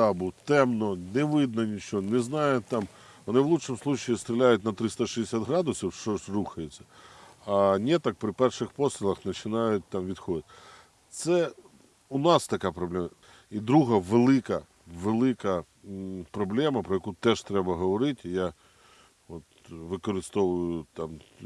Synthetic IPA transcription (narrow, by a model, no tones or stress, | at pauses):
abut̪ɛmnɔnɛʋɪd̪nɔnʲit͡ʃɔnɛznɑjʊt̪ːɑm | ʋɔnɪʋlˠuʃɪmslˠut͡ʃɪjist̪ʲɾʲɪlʲajʊtʲnɐt̪ɾɪst̪ɐʃid̪ɪsʲad̪ɦɾɑd̪ʊsʲiwʃt͡ʃɔsʲruxɐjet͡sʲːɐ̥ɐnʲɛt̪ɐk̚pɾɪpɛrʃɪxpɔst̪ɾʲɪlˠɐxnɐt͡ʃɪnɑjʊt̚ʲt̪ɑmʋʲid̪xɔd̪ɪtʲ | t̪sɛ | ʊnɑst̪ɐkapɾɐblʲɛmɐ | id̪ɾuɦɐʋɪlˠɪkɐ | ʋɪlˠɪkɐ | pɾɐblʲɛmɐpɾɔjɐkut̪ɛʐ̥t̪ɾɛbɐɦɔʋɐɾɪtʲja | ʋɔt̪ | ʋɪkɔɾɪst̪ɔʋʊjʊt̪am